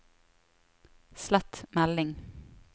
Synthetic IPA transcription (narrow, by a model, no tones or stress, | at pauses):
slɛt̪mælɪŋ